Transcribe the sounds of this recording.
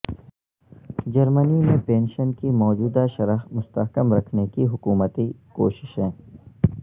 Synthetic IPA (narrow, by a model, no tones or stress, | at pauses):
d͡ʒɐɾmənimẽpẽːnʃənkimɔːd͡ʒuːd̪aʃɐɾəɦmʊst̪əɦkəmɾɐkʰnekiɦʊkuːmət̪ikoːʃɪ̥ʃɦɛ̃ː